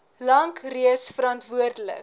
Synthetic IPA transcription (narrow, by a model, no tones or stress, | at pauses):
lɐŋkriətsfəɾɐntvuərdələ̰k̚